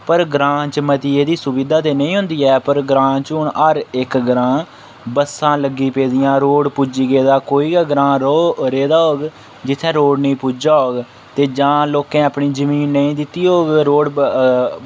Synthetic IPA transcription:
pəɾɡɾãːt͡ʃmət̪iːeːd̪iːsʊbiːd̪aːt̪eːnəĩːɦʊ̃nd̪iːɛːpəɾɡɾãːt͡ʃʊɳəɾɪkɡɾãː | bəsãːləɡːiːpeːd̪ɪjãːɾoːɽpuːd͡ʒiːɡeːd̪aːkoːiːɡaːɡɾãːɾoːɾeːd̪aːɦoːɡ | d͡ʒɪt̪ʰːɛ̃ːɾoːɖnĩːpuːd͡ʒaːɦoːɡ | t̪eːd͡ʒãːloːkɛ̃ːaːpɳiːzəmiːnːəĩːd̪ɪt̪ːiːɦoːɡɾoːɽ

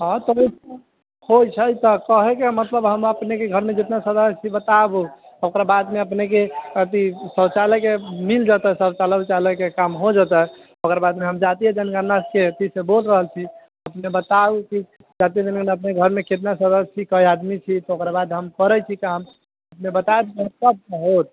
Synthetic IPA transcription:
ɦãt̪əi | hojt͡ʃʰəjt̪ɔkəɦɛkemət̪ləbɦəməpnekeɡʱəɾmed͡ʒet̪nasəd̪əst͡ʃʰibət̪abuokɾabad̪meəpnek̬eət̪isət͡ʃalɛkemild͡ʒat̪ɛsəbt͡ʃalət͡ʃaləkekamɦod͡ʒat̪ɛɦ | okɾabad̪meɦəmd͡ʒat̪ied͡ʒənɡənasket̪isebolɾəɦəlt͡ʃʰi | əpnebət̪abuki | d͡ʒat̪ijəd͡ʒənɡənəp̚neɡʱəɾmeket̪̬nasəd̪əst͡ʃikəjad̪mit͡ʃʰit̪ɔokɾabad̪ɦəmkəɾɛt͡ʃʰikam | əpnebət̪aebkiɦəmsəb̚kəɦot̪̚

